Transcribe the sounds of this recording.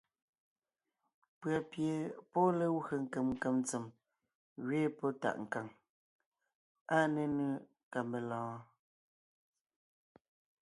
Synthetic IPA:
pɰa˨pje˨pɔ˦le˦we˨ŋ̩˨ke˨mŋ˨ke˨mn˦t͡se˨m | ɣɥeː˦pɔ˦ta̰˨ʔŋ̩˨ka˨ŋ | a˦ne˦nɯ˦ | ka˨mbe˨lɔ̃ː˨˦

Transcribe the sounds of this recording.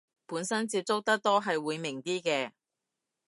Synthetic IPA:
puː˨˧˥nsɐ˥nt͡siː˧p̚t͡sʊ˥k̚t̪ɐ˥k̚t̪ɔː˥ɦɐ˨jwuː˨˧jmɪ˨˩ŋt̪iː˥kɛː˧

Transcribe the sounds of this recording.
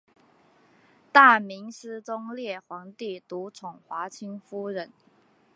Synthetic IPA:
t̪a˥˩mi˧˥ŋsɹ̩˥t͡sʊ˥ŋljɛ˥˩xwɑ˧˥ŋt̪i˥˩t̪u˧˥t͡sʰʊ˨˩ŋxwa˧˥t͡ɕʰi˥ŋfu˥ɻə˧˥n

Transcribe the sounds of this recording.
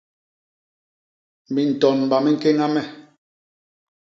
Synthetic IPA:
mi˨n̩˨tɔ˨nm˨ba˨mɛ˦ŋ̩˦˨ke˦ŋa˦mɛ˦

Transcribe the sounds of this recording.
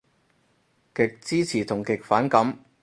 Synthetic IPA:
kɪ˨k̚t͡siː˥t͡sʰiː˨˩t̪ʰʊ˨˩ŋkɪ˨k̚faː˨˥nkɐ˨˥m

